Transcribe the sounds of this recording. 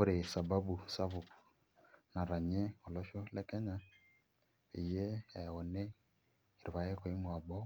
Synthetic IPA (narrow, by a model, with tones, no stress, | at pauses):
o˦ɾe˨sa˨ba˦bu˨sa˦βʊ˨k | na˨ɾa˨ɲɛ˦o˨lɔ˦ʃɔ˦lɛ˦kɛ˦ɲa˨ | ḭ˨je˦ɛ˨ɔ˨nɛ˦ | i˨ɾi˨βa˨je˦ko˨i˦mwa˨bɔ˦